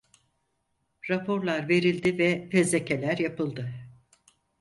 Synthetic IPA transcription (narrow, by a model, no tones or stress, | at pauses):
ɾapʰo̞ɾlˠaɾve̞ɾilʲd̪ivɛfezecʰe̞lʲæɾjapɯlˠd̪ɯ